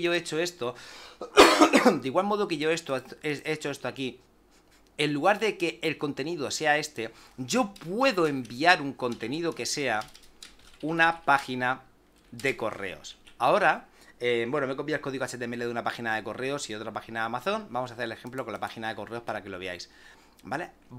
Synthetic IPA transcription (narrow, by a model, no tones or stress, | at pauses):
o̞et͡ʃo̞e̞st̪o | d̪eiɣwalmo̞ðoke̞ʝo̞e̞st̪oeet͡ʃo̞e̞st̪oaki | e̞nlluɣ̞aɾðe̞ke̞ːlko̞nt̪e̞niðo̞se̞ae̞st̪e̞ɟ͡ʝo̞pwe̞ðoe̞mbiaɾuŋko̞nt̪e̞niðo̞ke̞se̞a | unapaxina | ðe̞ko̞̰re̞̰o̞̰sao̞ɾaebwe̞nome̞ko̞piaelko̞ðiɣaset̪emeleðunapaxinaðe̞ko̞re̞o̞sio̞t̪ɾapaxinaamaθo̞nbamo̞saθele̞xe̞mplo̞ko̞nlapaxinaðe̞ko̞re̞o̞spaɾake̞lo̞βeajs | bale̞